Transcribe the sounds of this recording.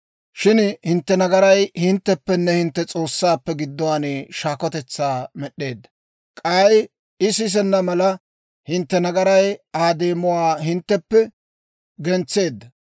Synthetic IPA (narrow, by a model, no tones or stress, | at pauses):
ʃɪnhɪnt̪ːɛnɐɡɐɾɐjhɪnt̪ːɛpːɛnːɛhɪnt̪ːɛt͡sʼo̞ːsːaːpːɛɡɪd̪ːɔwaːneːʃaːkɔt̪ɛt͡sːaːmɛɗːe̞ːd̪ːɐ̥ | kʼɐːj | ɪs̬ɪs̬ɛnːɐmɐlɐ | hɪnt̪ːɛnɐɡɐɾɐjaːd̪e̞ːmʊwaːɦɪnt̪ːɛpːɛ | ɡɛnt͡sːe̞ːd̪ːɐ